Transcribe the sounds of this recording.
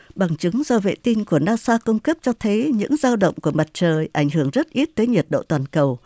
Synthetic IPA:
ɓa˨˩ŋt͡ɕɨ˨˦ŋzɔ˧vḛ˧˨t̪i˧nku˧˩ənaː˧saː˧ku˧ŋ͡mkə˦˥p̚t͡ɕɔ˧t̪ʰə˨˦jɲɨ̰˧˥ŋzaː˧wɗə̰˧˨wŋ͡mku˧˩əma˨˩t̚t͡ɕəː˨˩jʔa˧˩jŋɦɨ˧˩əŋzə˦˥t̚ʔi˦˥t̚t̪əː˨˦jɲi˨˩t̚ɗo̰˧˨t̪waː˨˩nkə˨˩w

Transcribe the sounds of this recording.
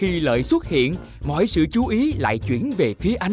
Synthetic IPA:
xi˧lə̰ː˧˨jswə˦˥t̚hḭ˧˨ən | mɔ̰˧˨jsɨ̰˧˨t͡ɕu˨˦ʔi˨˦la̰ː˧˨jt͡ɕwḭ˧˩ənve˨˩fi˨˦əʔa˧j̟

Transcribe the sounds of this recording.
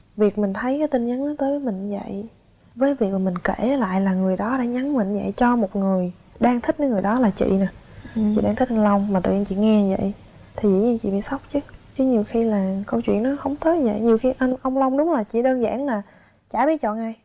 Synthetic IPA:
vi˨˩ək̚mï˨˩ŋ̟t̪ʰə˨˦jkaː˨˦jt̪i˧nɲə˨˦nɗt̪əː˨˦jvəː˨˦jmï˨˩ŋ̟zə̰˧˨j | vəː˨˦jvi˨˩ək̚maː˨˩mi˨˩ŋ̟ke˧˩˨la̰ː˧˨jlaː˨˩ŋɨ˨˩əjɗɔ˨˦ɗa̰ː˧˥ɲa˨˦nmï˧˨˩ŋ̟zə̰˧˨jt͡ɕɔ˧mo˨˩t̚ŋɨ˨˩əj | ɗaː˧ŋt̪ʰi˦˥k̚ɗəː˨˦jŋɨ˨˩əjɗɔ˨˦laː˨˩t͡ɕḭ˧˨naː˨˩ | t͡ɕḭ˧˨ɗaː˧ŋt̪ʰi˦˥k̚nlə˧wŋ͡mma˨˩t̪ɨ̰˧˨ɲ˧nt͡ɕḭ˧˨ŋɛ˧˨zə̰˧˨j | t̪ʰi˨˩zɨ̰˧˩ɲɨ˧nt͡ɕḭ˧˨mḭ˧˨sa˦˥wk͡p̚t͡ɕɨ˨˦t͡ɕɨ˨˦ɲi˨˩əwxi˧laː˨˩kə˧wt͡ɕw̰ənːɔ˨˦hə˧wŋ͡mt̪ʰə˨˦jzə̰˧˨jɲi˨˩wxi˧ʔa˧nʔə˧wŋ͡mlə˧wŋ͡mɗʊ˨˦ŋ͡mlaː˨˩t͡ɕḭ˧˨ɗəː˧nza̰ː˧˥˩nlaː˨˩ | t͡ɕaː˧˩ɓi˦˥ət̚t͡ɕɔ̰˧˨nʔaː˧j

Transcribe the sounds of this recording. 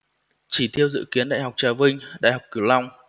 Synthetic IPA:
t͡ɕi˧˩t̪ʰi˧əwzɨ̰˧˨ki˨˦ənɗa̰ː˧˨jɦa˨˩wk͡p̚t͡ɕaː˨˦vï˧ŋ̟ɗa̰ː˧˨jɦa˨˩wk͡p̚ki˧˩əwla˧wŋ͡m

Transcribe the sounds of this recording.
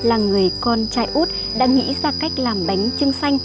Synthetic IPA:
laː˨˩ŋɨ˨˩əjkɔ˧nt͡ɕaː˧jʔu˦˥t̚ | ɗa̰ː˧˥ŋḭ˧˥zaː˧ka˦˥jk̟̚laː˨˩mɓa˨˦jŋ̟t͡ɕɨ˧əŋsa˧jŋ̟

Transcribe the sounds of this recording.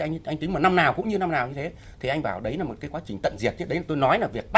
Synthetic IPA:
ʔa˧jŋʔa˧ŋ̟t̪i̟˨˦maː˨˩na˧mnaː˨˩wkʊ̰˧˥ŋ͡mɲɨ˧na˧mnaː˨˩wɲɨ˧t̪ʰe˨˦ | t̪ʰi˨˩ʔa˧ŋ̟ɓaː˧˩wɗə˨˦jlaː˨˩mo˨˩kaː˨˦kwaː˨˦t͡ɕï˨˩ŋ̟t̪ə̰˧˨nzi˨˩ət̚t͡ɕe˦˥ɗə˨˦laː˨˩t̪o˧jnɔ˨˦jlaː˨˩vi˨˩ək̚ɓa˦

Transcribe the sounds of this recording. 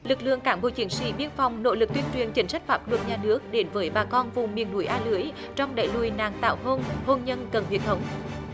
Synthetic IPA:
lɨ˨˩k̚lɨ̰˧˨əŋkaː˨˦ŋɓo̰˧˨t͡ɕi˨˦ənsḭ˧˥ɓi˧ənfɔ˨˧wŋ͡mno̰˧˥lɨ˨˩k̚t̪wi˧ənt͡ɕwi˨˩ənt͡ɕï˨˦ŋ̟sa˦˥k̟̚faː˦˥p̚lwə˨˩t̚ɲaː˨˩nɨ˦˥ək̚ɗe˨˦nvəː˨˦jɓaː˨˩kɔ˧nvʊ˨˩ŋ͡mmḭ˧˨ənːu˨˧˦əjʔaː˧lɨ˨˦əj | t͡ɕɔ˧wŋ͡mɗa̰˧˨jlu˧˩˨jna̰ː˧˨˩ŋt̪a̰ː˧˨wɦoː˧nho˧nɲə˧nkə˨˩nwḭ˨˩ət̪ʰə˨˦wŋ͡m

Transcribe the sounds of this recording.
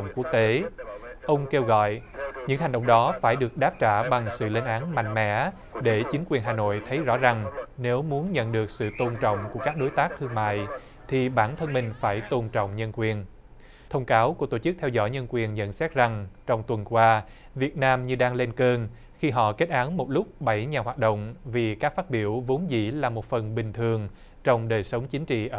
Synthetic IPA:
ŋ͡mku˦˥ək̚t̪e˨˦ʔə˧wŋ͡mke˧wɣɔ̰˧˨jɲɨ̰˧˥ŋɦa˨˩ŋ̟ɗə̰˧˨wŋ͡mɗɔ˨˦faː˧˩jɗɨ˨˩ək̚ɗaː˦˥p̚t͡ɕaː˧˩ɓa˨˩ŋsɨ̰˧˨le˧nʔaː˨˦nma̰˧˨jŋ̟mɛ̰˧˥ | ɗe˧˩t͡ɕï˨˦ŋ̟kwi˨˩ənɦaː˨˩no̰˧˨jt̪ʰə˨˦jzɔ̰˧˥za˨˩ŋne˨˦wmu˨˦ənɲə̰˧˨nɗɨ˨˩ək̚sɨ̰˧˨t̪o˧nt͡ɕɔ̰˧˨wŋ͡mku˧˩əkaː˦˥k̚ɗo˨˦jt̪aː˦˥k̚t̪ʰɨ˧əŋma̰ː˧˨j | t̪ʰi˨˩ɓaː˧˩nt̪ʰə˧nmï˨˩ŋ̟faː˧˩jt̪o˧nt͡ɕɔ̰˧˨wŋ͡mɲə˧nkwi˨˩ən | t̪ʰə˧wŋ͡mkaː˨˦wku˧˩ət̪o˧˩t͡ɕɨ˦˥k̚t̪ʰɛ˧wzɔ̰˧˩jɲə˧nkwi˨˩ənɲə̰˧˨nsɛ˦˥t̚za˨˩ŋt͡ɕɔ˧wŋ͡mt̪wə˨˩nkwaː˧ | vi˨˩ət̚naː˧mɲɨ˧ɗaː˧ŋle˧nkəː˧n | xi˧ɦɔ̰˧˨ke˦˥t̚ʔaː˨˦nmo˨˩t̚lʊ˦˥k͡p̚ɓə˧˩jɲaː˨˩ɦwaː˨˩t̚ɗo̰˧˨wŋ͡mvi˨˩kaː˦˥k̚faː˦˥t̚ɓi˧˩əwvo˨˦nzḭ˧˩laː˨˩mo˨˩t̚fə˨˩nɓï˨˩ŋ̟t̪ʰɨ˨˩əŋ | t͡ɕɔ˧wŋ͡mɗəː˨˩jsə˨˦wŋ͡mt͡ɕï˨˦ŋt͡ɕḭ˧˨ʔəː˧˩

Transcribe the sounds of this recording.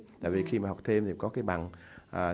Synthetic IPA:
t̪a̰ː˧˨jvi˨˩xi˧maː˨˩a˨˩k͡p̚t̪ʰe˧mt̪ʰi˨˩˨kɔ˨˦kaː˨˦jɓa̰˧˨nʔː

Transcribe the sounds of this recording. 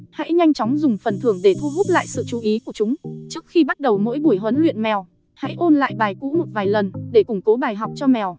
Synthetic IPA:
ha̰˧˥jɲa˧jŋ̟t͡ɕɔ˨˦wŋ͡mzʊ˨˩ŋ͡mfə˨˩nt̪ʰɨ˧˩əŋɗe˧˩t̪ʰu˧ɦʊ˦˥k͡p̚la̰ː˧˨jsɨ̰˧˨t͡ɕu˨˩˦ʔi˨˦ku˧˩ət͡ɕʊ˨˦ŋ͡mt͡ɕɨ˦˥ək̚xi˧ɓa˦˥t̚ɗə˨˩wmo̰˧˥jɓu˧˩əjɦə˨˦nlwḭ˧˨nmɛ˨˩w | ha̰˧˥jʔo˧nla̰ː˧˨jɓaː˨˩jkṵ˧˥mo˨˩t̚vaː˨˩jlə˨˩nɗe˧˩kʊ˧˩ŋ͡mko˨˦ɓaː˨˩jɦa˨˩wk͡p̚t͡ɕɔ˧mɛ˨˩w

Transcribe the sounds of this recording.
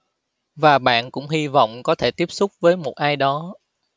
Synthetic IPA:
vaː˨˩ɓa̰ː˧˨nkʊ̰˧˥ŋ͡mɦi˧vɔ̰˧˨wŋ͡mkɔ˨˦t̪ʰe˧˩t̪i˦˥p̚sʊ˦˥k͡p̚vəː˨˦jmo˨˩t̚ʔaː˧jɗɔ˨˦

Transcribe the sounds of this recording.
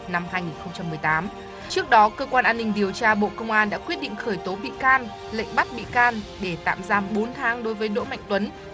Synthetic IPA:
na˧mhaː˧jŋi˨˩nxə˧wŋ͡mt͡ɕa˧mːɨ˨˩əjt̪aː˨˦m | t͡ɕɨ˦˥ək̚ɗɔ˨˦kəː˧kwaː˧nʔaː˧nːï˧ŋ̟ɗi˨˩əwt͡ɕaː˧ɓo̰˧˨kə˧wŋ͡mʔaː˧nɗa̰ː˧˥kwi˦˥ət̚ɗḭ˧˨ŋ̟xəː˧˩jt̪o˨˦ɓḭ˧˨kaː˧n | lə̰˧˨ŋ̟ɓa˦˥t̚ɓḭ˧˨kaː˧nɗe˧˩t̪a̰ː˧˨mzaː˧mɓo˨˦nt̪ʰaː˨˦ŋɗo˨˦jvəː˨˦jɗo̰˧˥ma̰˧˨jŋ̟t̪wə˨˦n

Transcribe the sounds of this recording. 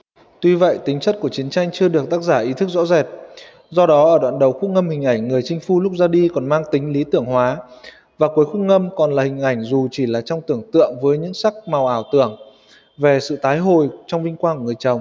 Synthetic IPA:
t̪wi˧və̰˧˨jt̪ï˨˦ŋ̟t͡ɕə˦˥t̚ku˧˩ət͡ɕi˨˦ənt͡ɕa˧jŋ̟t͡ɕɨ˧əɗɨ˨˩ək̚t̪aː˦˥k̚zaː˧˩ʔi˨˦t̪ʰɨ˦˥k̚zɔ̰˧˥zɛ˨˩t̚ | zɔ˧ɗɔ˨˦ʔəː˧˩ɗwa̰ː˧˨nɗə˨˩wxu˦˥k̚ŋə˧mhï˨˩ŋ̟ʔa˧˩jŋ̟ŋɨ˨˩əjt͡ɕï˧ŋ̟fu˧lʊ˦˥k͡p̚zaː˧ɗi˧kɔ˨˩nmaː˧ŋt̪ï˨˦ŋ̟li˨˦t̪ɨ˧˩əŋɦwaː˨˦ | vaː˨˩ku˨˦əjxu˦˥k̚ŋə˧mkɔ˨˩nlaː˨˩hï˨˩ŋ̟ʔa˧˩jŋ̟zu˨˩t͡ɕi˧˩laː˨˩t͡ɕɔ˧wŋ͡mt̪ɨ˧˩əŋt̪ɨ̰˧˨əŋvəː˨˦jɲɨ̰˧˥ŋsa˦˥k̚ma˨˩wʔaː˧˩wt̪ɨ˧˩əŋ | ve˨˩sɨ̰˧˨t̪aː˨˦jɦo˨˩jt͡ɕɔ˧wŋ͡mvï˧ŋ̟kwaː˧ku˧˩ŋɨ˨˩əjt͡ɕə˨˩wŋ͡m

